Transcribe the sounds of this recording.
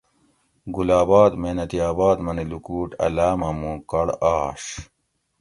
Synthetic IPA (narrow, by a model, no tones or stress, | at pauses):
ɡulaːbaːd̪meːnɐt̪iaːbaːd̪mɐnilukuːʈɐ̰laːmɐmũːkɐɽaːɕ